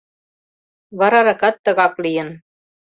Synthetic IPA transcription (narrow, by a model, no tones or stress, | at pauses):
βɑɾɑɾɑkɑt̪ːɤ̆ɣɑplijɤ̆n